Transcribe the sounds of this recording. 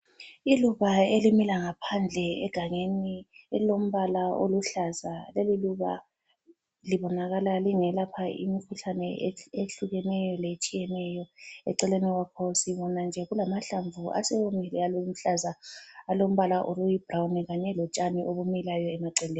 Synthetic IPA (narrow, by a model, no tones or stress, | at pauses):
iluβaelimilaŋapʰand͡ɮʱɛɛ̰ɡ̥ʱaŋeniɛlom̩βalao̰luɬazaleliluβa | liβɔnaɣalaliŋɛlapʰaʔḭmikʰuɬanɛeeɬuɣɛnɛjɔlet͡ʃʼijɛnɛjɔɛ̰ǀɛleniwakʰɔsiβɔnand͡ʒʱɛɣulamaɬaɱvuʔa̰sɛwomilɛalom̩ɬazaːlom̩βalaʔolujib̥rawnɛɣaɲɛlɔt͡ʃʼaniʔoβumilajɔɛmaǀɛleːn